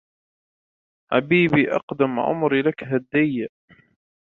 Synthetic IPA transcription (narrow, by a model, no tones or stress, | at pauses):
ʕa̰biːbiːʔɑ̰qd̪amʕʊ̰mɾilakɦad̪ːɪjːaʔ